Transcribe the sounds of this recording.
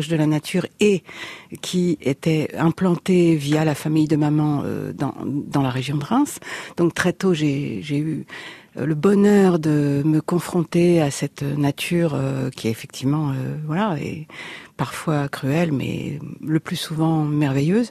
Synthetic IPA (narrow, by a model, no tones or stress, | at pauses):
ʒd̪əlanat̪ʰyːʁekʲʰiet̪ɛɛ̃plɑ̃t̪evijalafamijd̪əmamɑ̃ø̰d̪ɑ̰̃d̪ɑ̃laʁeʒjɔ̃d̪əʁɛ̃sd̪̥ɔ̃k̚t̪χɛt̪oʒeʒey̰ | ləbɔnœʁd̪əməkɔ̃fχɔ̃t̪easɛt̪nat̪ʰyːʁøkʲiefɛk̚t̪ʰivmɑ̃øvwalaɛ̰paʁfwakχyɛlmɛ̰ləplysuvɑ̃mɛʁvejøːz